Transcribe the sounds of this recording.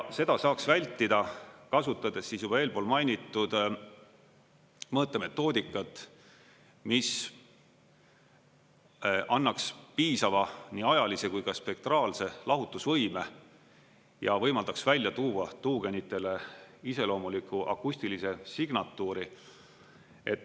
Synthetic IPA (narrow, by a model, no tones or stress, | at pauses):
jɑse̞d̪ɑsɑːksvælʲt̪ːˑid̪̥ɑkɑsut̪ːˑɑd̪̥e̞sːiːsjub̥ɑe̞ːlpo̞ːlmɑjnʲit̪ːˑud̪̥ | mɤːt̪ːˑeme̞t̪ːˑo̞ːd̪ikːˑɑt̪ːˑ | mis | ʔɑnːɑkspiːsɑvɑniːɑjɑlise̞kujkɑspe̞k̚t̪rɑːlse̞lɑɦut̪ːˑusvɤjme̞ | jɑvɤjmɑld̪̥ɑksvælʲjɑt̪uːwɑt̪uːɡ̥e̞nit̪ːˑe̞le̞ise̞lo̞ːmulikːˑuʔɑ̰kːusʲt̪ilise̞siɡ̥nɑt̪ːˑuːɾi | e̞t̪ː